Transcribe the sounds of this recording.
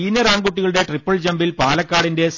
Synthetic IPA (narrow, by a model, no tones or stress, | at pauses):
iːnɐɾaːŋɡuʈːiɣɐɭɨɽe̞ʈripːɐɭd͡ʑɐmbilpaːlɐkːaːɽinde̞s